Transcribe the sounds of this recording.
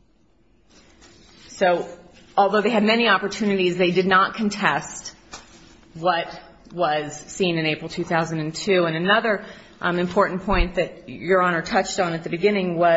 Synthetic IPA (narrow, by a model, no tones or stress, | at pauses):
soʊ | ɔlˠðoʊðeɪɨd̚mɛniɑpə˞tʰʉnɨɾizðeɪdɨdⁿnət̚kʰɨ̃n̩tʰɛst̚ | wʌt̚ | wʌz̥sĩnɨ̃neɪpɹl̩ˠtʰʉθaʊzɨ̃n̩dɨ̃ntʰʉə̃nɨnʌðə˞ | ʔɨ̃mpʰɔɹʔn̩pʰɔ̃ɪ̃nðɨt͡ʃə˞ɑñə˞tʰʌt͡ʃtn̩ɨt̪̚ðɨbɨɡɪ̃nɪ̃ŋwʌ